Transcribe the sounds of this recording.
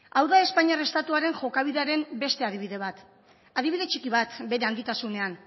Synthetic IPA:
awðae̞spaɲare̞st̪at̪uaɾe̞ŋʝo̞kaβ̞iðeaɾe̞mbe̞st̪e̞að̞iβiðe̞βat̪ | aðiβiðe̞t͡ʃikiβat̪be̞ɾe̞anɡ̪it̪asune̞an

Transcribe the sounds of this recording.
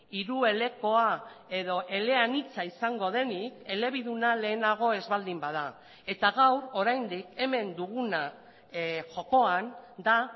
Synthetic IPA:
iɾue̞le̞ko̞ae̞ðo̞ʔe̞le̞anit͡saisaŋɡo̞ðe̞nike̞le̞β̞iðunale̞ːnaɣ̞o̞e̞zβald̪imbaða | e̞t̪aɣawɾo̞ɾajnd̪ike̞me̞nd̪uɣuna | ʝo̞ko̞and̪a

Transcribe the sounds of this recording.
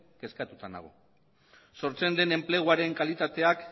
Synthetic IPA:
ke̞skat̪ut̪ana̰ɣ̞o̰ | so̞ɾt͡se̞nd̪e̞ne̞mple̞ɣ̞uaɾe̞ŋkalit̪at̪e̞ak

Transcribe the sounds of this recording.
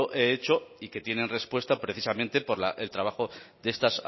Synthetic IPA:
oʔe̞et͡ʃo̞ike̞t̪je̞nẽ̞nre̞spwest̪apɾe̞θisamẽ̞nt̪e̞po̞ɾla̰ʔe̞lt̪ɾaβaxo̞ðe̞st̪as

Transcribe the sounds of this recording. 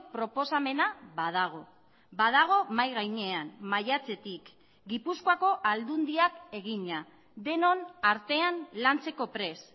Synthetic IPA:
pɾo̞po̞same̞naβað̞aɣ̞o̞ | bað̞aɣ̞o̞majɣajɲe̞anmajat͡se̞t̪ik | ɡipuskoako̞ʔald̪und̪iake̞ɣ̞iɲa | d̪e̞no̞naɾt̪e̞anlant͡se̞ko̞pɾe̞s

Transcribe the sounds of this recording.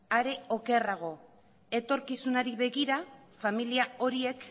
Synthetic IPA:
aɾe̞o̞ke̞raɣ̞o̞ | e̞t̪o̞ɾkisunaɾiβe̞ɣiɾafamiliao̞ɾie̞k

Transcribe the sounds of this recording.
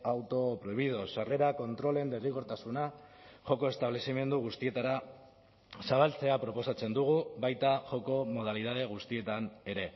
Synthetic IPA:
awt̪o̞pɾo̞jβið̞o̞sare̞ɾako̞nt̪ɾo̞le̞nd̪eriɣo̞ɾt̪asunaʝo̞ko̞e̞st̪aβle̞sime̞nd̪uɣ̞ust̪ie̞t̪aɾa | saβalt͡se̞apɾo̞po̞sat͡se̞nd̪uɣ̞uβajt̪aʝo̞ko̞mo̞ð̞aliðað̞e̞ɣ̞ust̪ie̞t̪ane̞ɾe̞

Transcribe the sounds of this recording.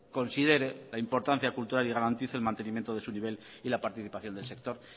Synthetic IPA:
ko̞nsið̞e̞ɾelaimpo̞ɾt̪an̟θjakult̪uɾaliɣ̞aɾant̪iθelmãnt̪e̞nĩmje̞nt̪oð̞e̞suniβe̞l | ilapaɾt̪iθipaθjond̪elsek̚t̪o̞ɾ

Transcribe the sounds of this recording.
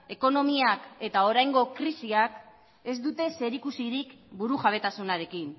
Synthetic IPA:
e̞ko̞no̞miake̞t̪ao̞ɾajŋɡo̞kɾisiak | e̞zd̪ut̪e̞se̞ɾikusiɾik | buɾuʝaβ̞e̞t̪asunaɾe̞kin

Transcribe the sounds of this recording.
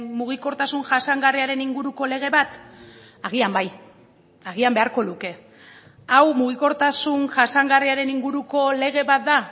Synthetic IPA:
muɣ̞iko̞ɾt̪asunʝasaŋɡariaɾe̞niŋɡuɾuko̞le̞ɣ̞e̞βat̪ | aɣ̞iambaj | aɣ̞iambe̞aɾko̞luke̞ | awmuɣ̞iko̞ɾt̪asunʝasaŋɡariaɾe̞niŋɡuɾuko̞le̞ɣ̞e̞βat̪̚d̪a

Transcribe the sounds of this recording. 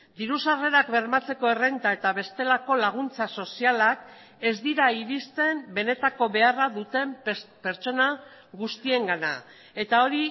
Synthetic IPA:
d̪iɾusare̞ɾakbe̞ɾmat͡se̞ko̞e̞re̞nt̪ae̞t̪aβe̞st̪e̞lako̞laɣ̞unt͡saso̞sialak | e̞zd̪iɾaiɾist̪e̞mbe̞ne̞t̪ako̞βe̞araðut̪e̞mpe̞ɾt͡ʃo̞na | ɣust̪ie̞ŋɡana̰ | e̞t̪ao̞ɾi

